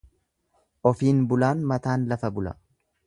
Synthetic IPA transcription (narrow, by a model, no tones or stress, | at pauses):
ʔɔfiːnbʊlaːnmɐt̪aːnlɐfɐbʊlɐ̰